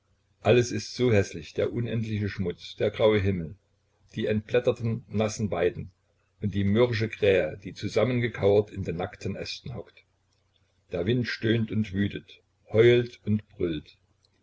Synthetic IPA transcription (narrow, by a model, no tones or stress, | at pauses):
ʔaləsɪstz̥oːhɛslɪçd̥eːɐʔʊnʔɛntlɪçəʃmʊt͡sd̥eːɐɡʁaʊəɦɪml̩ | d̥iːɛntb̥lɛtɐtn̩nasn̩vaɪdn̩ | ʔʊnt̚d̥iːmʏʁɪʃ̬əɡʁ̥ɛːəd̥iːt͡suzamənɡəkʰaʊɐtɪndeːnːaktʰənʔɛstn̩hɔkt | d̥eːɐvɪntʃtøːntʊntv̥yːtət | hɔʏltʊntb̥ʁʏlt